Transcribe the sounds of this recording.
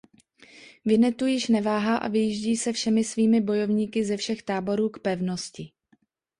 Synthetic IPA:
vɪnɛt̪ujɪʃnɛvaːɦaːʔa̰vɪjiʒɟiːsɛfʃɛmɪsviːmɪbo̞jo̞vɲiːkɪzɛfʃɛxt̪aːbo̞ɾuːkpɛvno̞scɪ

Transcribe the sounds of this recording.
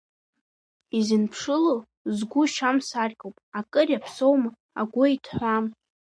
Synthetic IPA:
izɨnpʰʂɨlo | zɡʷʊʃamsarkʲʼowpʼakʼɨrapʰsowm | a̰ɡʷʊitʰħʷam

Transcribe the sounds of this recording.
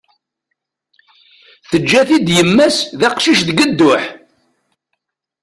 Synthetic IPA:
θəd͡ʒːæθid̪jəmːæsðæqʃiʃðɡəd̪ːʊħ

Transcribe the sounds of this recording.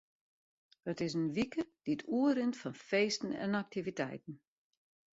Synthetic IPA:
ɔtɪs̬ənʋikəd̥itʰuəɾɪntfɔnfeːstn̩ɛ̰nak̚tʰivitʰɛ̰jtn̩

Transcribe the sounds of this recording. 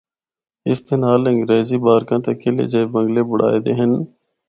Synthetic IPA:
ɪst̪ʰeːnaːlɪ̃ŋɡɾeːziːbaːɾkãːt̪ekʰelḛːd͡ʒeebə̃ŋɡleːbʊɽ̤a̰ːed̪ḛːɦən

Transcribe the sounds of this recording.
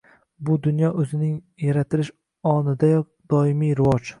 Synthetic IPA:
bʊd̪ʊnjɒʔɵzɪnɪŋ | jaɾat̪ʰɪlɪʃ | ɒnɪd̪ajɒk̚ | d̪̥ɒɪmijɾɪvɒd͡ʒ

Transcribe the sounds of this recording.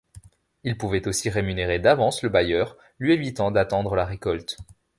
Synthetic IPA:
ilpuvɛt̪osiʁemyneʁed̪avɑ̃sləbajœʁ | lɥievit̪ɑ̃d̪at̪ɑ̃d̪ʁəlaʁekɔlt̪

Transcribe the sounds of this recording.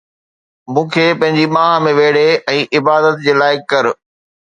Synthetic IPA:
mũːkʰeːpɐ̃ɦɪ̃ɲd͡ʑimãːɦmẽʋeːɽ̤eɛ̃ːʔɪbaːd̪ət̪d͡ʑeːlaːɪkːɐɾ

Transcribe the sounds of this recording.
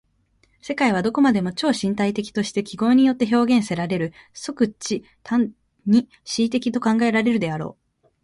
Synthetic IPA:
se̞kaiβ̞ad̪o̞ko̞mad̪e̞mo̞t͡ɕo̞ːɕĩnt̪ait̪e̞kʲi̥t̪o̞ɕi̥t̪e̞kʲiɡo̞ːɲ̟ijo̞t̪ːe̞ço̞ːɡẽ̞ɰ̃se̞ɾaɾe̞ɾɯ̟so̞kɯ̟t͡ɕi | t̪ʰãn | ɲ̟i | ɕiːt̪̬e̞kʲit̪o̞kãŋɡae̞ɾaɾe̞ɾɯ̟d̪e̞aɾo̞̰ː

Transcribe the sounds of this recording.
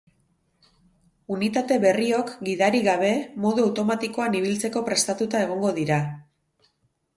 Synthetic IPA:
unit̪at̪e̞βe̞rio̞kɡiðaɾiɣaβ̞e̞mo̞ðuawt̪o̞mat̪iko̞aniβ̞ilt͡se̞ko̞pɾe̞st̪at̪ut̪ae̞ɣ̞o̞ŋɡo̞ðiɾa

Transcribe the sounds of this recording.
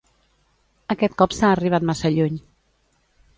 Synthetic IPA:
əkɛt̪̚kɔpsaːriβat̪masəʎuɲ

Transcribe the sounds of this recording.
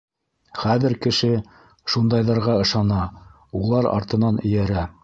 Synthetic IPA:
χæðɘ̆ɾkɘ̆ʃɘ | ʃund̪ɑjðɑɾʁɑɤ̆ʃɑnɑ | ulˠɑɾɑ̰ɾt̪ɤ̆nɑnɵ̆jæɾæ

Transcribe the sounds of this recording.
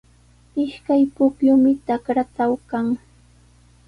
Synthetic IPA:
ɪʃkajpʊkjʊmɪt̪akɾat̪awkaŋ

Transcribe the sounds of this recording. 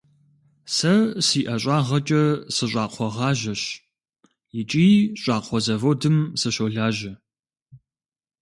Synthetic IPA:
sɐsiːʔɐɕʷʼɑːʁɐt͡ʃʼɐsɨɕʷʼɑːqʷʰɔʁɑːʒɐɕ | jɪt͡ʃʼiːɕʷʼɑːqʷʰɔzɐvodɨmsɨɕoːɮaːʒɐ

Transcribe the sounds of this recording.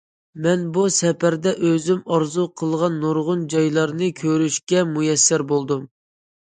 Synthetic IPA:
mɛnbusɛpæɾd̪ɛʔøzymɑɾzuqʰəlˠʁɑnːoɾʁʊnd͡ʒɑjlˠɑɾnɨkʲʰøɾyʃkʲɛmujɛsːɪɾbolˠd̪um

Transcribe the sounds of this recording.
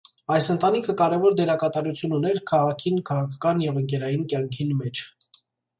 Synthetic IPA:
ɑjsənt̪ɑnikʰəkɑɾɛvɔɾd̪ɛɾɑkɑt̪ɑɾut͡sʰjununɛɾkʰɑʁɑkʰinkʰɑʁɑkʰɑ̥kɑnjɛvəŋkɛɾɑjinkjɑŋkʰinmɛt͡ʃʰ

